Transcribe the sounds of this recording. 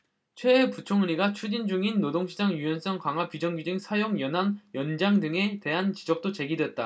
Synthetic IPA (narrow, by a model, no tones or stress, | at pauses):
t͡ɕʰwe̞ːput͡ɕʰoŋɯɾiɡat͡ɕʰud͡ʑind͡ʑuŋinːodoŋɕʰid͡ʑaŋjujʌns͈ʌŋkwaŋɦwapid͡ʑʌŋɡid͡ʑɯŋsʰajoŋjʌnɦaŋjʌnd͡ʑaŋdɯŋe̞te̞ɦant͡ɕid͡ʑʌk̚t͈ot͡ɕe̞ɡidwe̞t̚t͈a